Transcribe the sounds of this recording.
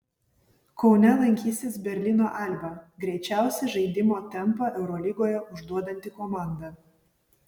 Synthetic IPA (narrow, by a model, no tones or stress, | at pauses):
kɒʊnʲɛlˠɐŋʲkʲiːsʲt̪ʲeːsbʲɛɾʲlʲɪnoːʔɑlʲbɐɡɾʲɛɪt͡ʃʲæˑʊsʲɛʒɐɪd̪ʲɪmoːt̪ʲɛmpɐʔɛʊɾɔlʲɪɡoːjɛʔʊʒd̪uɔd̪ɐnʲt̪ʲɪkɔmɑˑnd̪ɐ